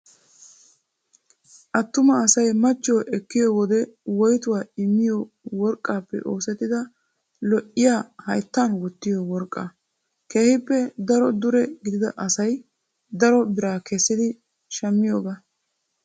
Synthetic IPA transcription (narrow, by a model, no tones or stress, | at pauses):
ʔɐt̪ːʊmɐːsɐjmɐt͡ʃːɔwʔɛkːɪjɔwɔd̪ɛwɔjt̪ʊwaːɪmːɪjɔ | wɔɾkʼːaːpːɛ̰ʔo̞ːsɛt̪ːɪd̪ɐ | lɔʔɪjaːhɐjt̪ːanwɔt̪ːɪjɔwɔɾkʼːa | keːhɪpːɛd̪ɐɾɔd̪ʊɾɛɡɪd̪ɪd̪ɐʔɐsɐj | d̪ɐɾɔbɪɾaːkɛsːɪd̪ɪ | ʃɐmːɪjoːɡaː